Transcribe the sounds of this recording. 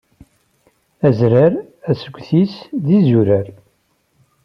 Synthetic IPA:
æzɾaɾ | æsəɡʷːθisðizuɾəɾ

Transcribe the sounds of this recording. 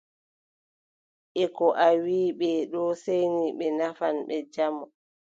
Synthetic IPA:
ʔɛkɔʔawiːɓɛɗɔsejniɓɛnafanɓɛd͡ʒamɔ

